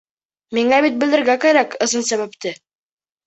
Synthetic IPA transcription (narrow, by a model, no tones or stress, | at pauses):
miŋæβit̪̚bɘ̆lɘ̆ɾɡækæɾækɤ̆zɤnsæβæp̚t̪ɘ